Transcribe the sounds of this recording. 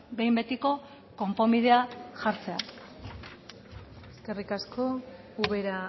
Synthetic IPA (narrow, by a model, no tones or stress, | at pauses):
be̞jmbe̞t̪iko̞ | ko̞mpo̞miðe̞aʝaɾt͡se̞a̰ | eske̞rikasko̞ | uβe̞ɾa